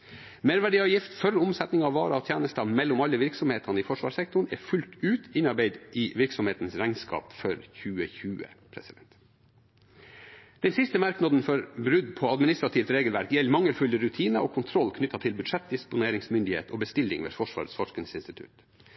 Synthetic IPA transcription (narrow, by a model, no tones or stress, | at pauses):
meːɾʋæɖiːɑːʋjɪft̪fœɾʊmsɛt̪nɪŋɑʋʋɑːɾɑɔt̪ʰjæːnəst̪ɑmɛlːʊmɑlːəʋɪɾksɔmheːt̪ʰɑnəifɔʂʋɑ̰ːʂsɛk̚t̪ʊɳ̩ɛfʉlt̪ʉːt̪ɪnɑɾbeɪd̪ʔɪʋɪɾksɔmeːt̪ən̩sɾæɪŋnskɑ̰ːpfɔɾçʉːəçʉːə̰pʰɾɛsɪd̪ɛnt̪ | d̪̥ɛnsɪst̪əmɑɾknɑd̪n̩fɔɾbɾʉd̪pʰɔɑd̪mɪnɪst̪ɾɑt̪ʰiːʋt̪ɾeːɡəlʋæɾkjɛlːmɑŋːəlfʉləɾʉt̪ʰiːnəʔoːkʰʊnt̪ʰɾɔlːkʰnʏt̪ːɑt̪ʰɪlbʉd̪ʂɛt̪̚d̪ɪspʊneːɾɪŋsmʏnd̪ɪhḛːt̪ʰɔːbəst̪ɪlːɪ̰ŋʋḛfɔʂʋɑ̰ːɾəsfɔʂkənsɪnst̪ɪt̪ʰʉ̰t̪